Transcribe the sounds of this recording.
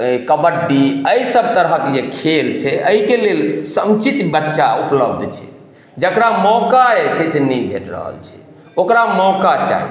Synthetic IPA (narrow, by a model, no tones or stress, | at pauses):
kəbəɖːiəisəb̚t̪əɾɦəkd͡ʒekʰelt͡ʃʰɛəikelelsə̃mt͡ʃit̪bətːʃaupləbd̪ʱt͡ʃʰɛ̰̥ | d͡ʒəkɾamɔkaet͡ʃʰɛsenɛjbʱḛʈɾə̰ɦə̰lt͡ʃʰɛ̥ | okɾamɔkat͡ʃa̰ḭ